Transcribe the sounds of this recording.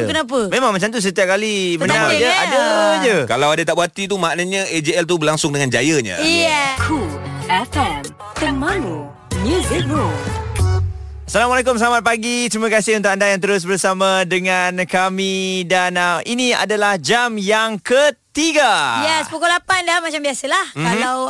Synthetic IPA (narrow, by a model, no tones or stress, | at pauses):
kənap̬əmẽmãŋmat͡ʃamt̪us̬ət̪iap̚kalibəənaaadaadəd͡ʒəkalawadat̪aʔbuat̪it̪̬umaʔnaɲə̃ʔed͡ʒeɛlt̪̬ubəlaŋsʊŋdəŋãnd͡ʒajəɲa̰ɛkʰulɛfɛm | t̪ərmãlu | njuzɪk̚o | salamalek̬ʊmsəlamat̪̚paɡit̪ɾimakasɪhunt̪ʊkandajaŋt̪əɾʊs̬bərsamadəŋankamidanəʔinia̰dalahd͡ʒamjaŋkət̪iɡajɛspukulapandamat͡ʃambiasəlahkaaw